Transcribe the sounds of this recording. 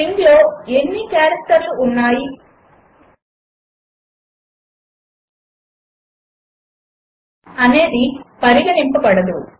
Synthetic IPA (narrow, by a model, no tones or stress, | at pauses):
ind̪lo̞ːe̞nːikaːɾɐk̚t̪ɐɾluːnːaːji | ɐne̞ːd̪ipɐɾiɡɐnimpɐbɐɽɐd̪u